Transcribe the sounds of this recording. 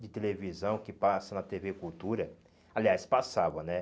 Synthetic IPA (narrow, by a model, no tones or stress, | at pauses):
d͡ʒɪt̪elevizɐ̃w̃kɪpasɐnɐt̪evekut̪uɾɐ | aliajspasavɐ̃nɛ